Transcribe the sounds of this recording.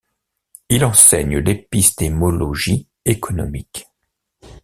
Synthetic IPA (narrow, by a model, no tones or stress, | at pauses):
ilɑ̃sɛɲəlepist̪emɔlɔʒi | ekʰɔnɔ̰mik